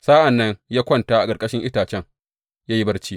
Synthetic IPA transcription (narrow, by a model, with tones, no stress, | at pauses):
sa˦ʔa˨nːɐ˦ɲjaː˦kʷɔ˦ntaː˦ʔa˨kʼɐ˨kʼɐ˦ʃɪ˦ŋʔɪ˦taː˨t͡ʃɛ˦ŋ | jaː˦ji˦bɐ˦rt͡ʃiː˦